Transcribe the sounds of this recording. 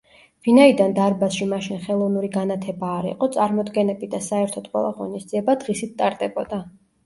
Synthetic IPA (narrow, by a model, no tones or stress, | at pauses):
vinaid̪and̪aɾbasʃimaʃinχɛlˠɔvnuɾiɡanat̪ʰɛbaːɾḭqʼɔt̪sʼaɾmɔd̪ɡɛnɛbid̪asaɛɾt̪ʰɔd̪̚qʼwɛ̰lˠa̰ʁɔ̰nisd̪ziɛbad̪̥ʁisit̪ʰt̪ʼaɾd̪ʼɛbɔ̰d̪a